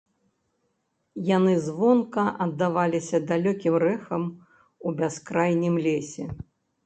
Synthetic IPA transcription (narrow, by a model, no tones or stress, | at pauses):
janɨzvɔnkɐʔɐd̪ːavalʲisʲɐd̪alʲɔkʲimrɛxɐm | ubʲaskɾajnʲimlʲesʲɛ